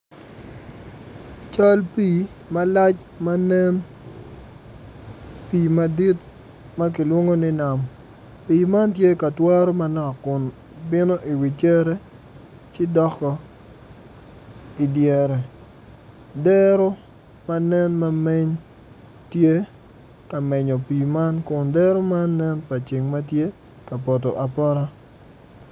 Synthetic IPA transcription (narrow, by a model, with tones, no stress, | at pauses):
t͡ʃa˦lpi˨ | ma˦la˦t͡ʃ | ma˦nɛ˦n | pi˨ma˨di˦t | ma˦k̬i˨lwo˦ŋo˦nɪ˦na˨m | pi˨ma˦ntje˦ka˨twa˦ɾo˦ma˦nɔ˨kːʊ˨n | bɪ˦no˦ʔi˨wi˨t͡ʃe˦ɾɛ˦ | t͡ʃɪ˦dɔ˦kɔ˨ | i˨djɛ˨ɾɛ˨ | dɛ˦ɾo˦ | ma˦nɛ˦nma˦me˦ɲ | tje˦ | ka˨mɛ˨ɲɔ˨pi˨ma˦nkʊ˨ndɛ˦ɾo˦maː˦ɛ˦npa˨t͡ʃi˨ŋma˦tje˦ | ka˨pɔ˨t̬ɔ˨ʔa˨pɔ˦ɾa˦